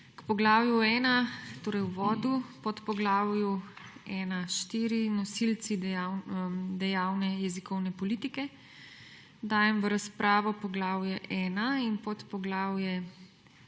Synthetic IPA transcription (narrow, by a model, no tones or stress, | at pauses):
kpɔɡlaːwjuɛːnat̪oːɾɛjwʋɔːd̪upɔt̪pɔɡlaːwjuɛːnaʃt̪iːɾinɔsilt͡s̪iawd̪ɛjawnɛjɛzikɔwnɛpɔlit̪ikɛ | d̪aːjɛmʋəɾaspɾaːʋɔpɔɡlaːwjɛʔɛːnainpɔt̪pɔɡlaːwjɛ